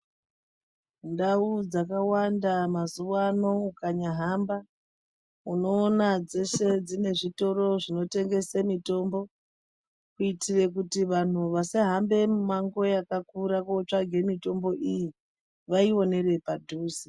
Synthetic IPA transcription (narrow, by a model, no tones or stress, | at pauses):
ndaud͡zakawandamazuwano̞ukaɲaɦamba | uno̞ːnad͡ze̞se̞d͡zine̞ʐito̞ɾo̞ʐino̞te̞ŋɡe̞semito̞ːmbo̞ | kuitire̞k̬utiʋan̤uʋaseɦambe̞mumaŋɡo̞jakakuɾakot͡ʂaɡʱe̞mito̞mbo̞ʔiji | ʋaio̞ne̞re̞padʱuːsi